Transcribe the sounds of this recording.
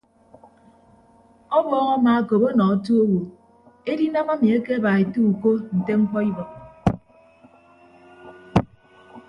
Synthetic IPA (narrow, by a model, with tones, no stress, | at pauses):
ɔ˦bɔː˨ŋɔ˦ma˨a˦˨ko˨bo˦nɔ˨ɔ˦tu˦o˦wo˨ | e˦di˦na˦ma˦mi˨e˦ke˦a˦ba˨e˨tu˦u˨ko˦n̩˨te˦ŋ͡m̩˦k͡pɔ˦i˦bɔ˨k̚